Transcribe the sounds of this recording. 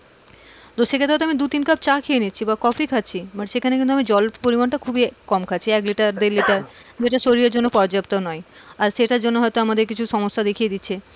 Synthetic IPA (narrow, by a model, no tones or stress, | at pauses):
d̪oʃːekʰet̪eɔt̪oamid̪ut̪inkab̚t͡ɕakʰeenitːʰibakɔfʰikʰatːɕʰimaʈʃekʰanekint̪uamid͡ʑɔlpoɾimanʈakʰubikɔmkʰat͡ɕʰiɛkliʈaɾd̪eɾliʈaɾd͡ʑeʈaʃoɾijaɾd͡ʑonːopɔɾd͡ʑapt̪onɔeaɾʃeʈaɾd͡ʑonːoɦɔjt̪oamad̪eɾkit͡ɕʰuʃɔmoʃːad̪ekʰijed̪itːɕʰe